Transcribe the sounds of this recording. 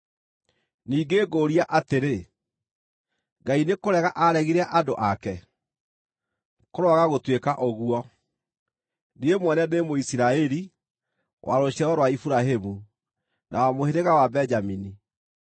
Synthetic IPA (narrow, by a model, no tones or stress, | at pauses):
niːɡeɡoːɾiaʔateɾe | ɡainekoɾɛɣaʔaɾɛɣiɾaʔadoʔakɛ | koɾɔaɣaɣotwekaʔɔɣuɔ | niemwɛnɛnemoisiɾaɛɾi | wʔa̰ɾoɕɛɾɔɾwaifuɾaɦemu | nʔa̰wamoheɾeɣawabɛd͡ʒamini